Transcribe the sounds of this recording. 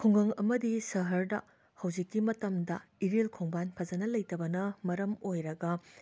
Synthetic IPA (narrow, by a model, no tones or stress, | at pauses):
kʰuŋɡɐŋɐmɐdisɐɦɐɾdɐ̰ | hɐwd͡ʒikːimɐtɐmdɐiɾelkʰoŋbanpʰɐzɐnɐlɐjtɐbɐnɐmɐɾɐmojɾɐɡɐ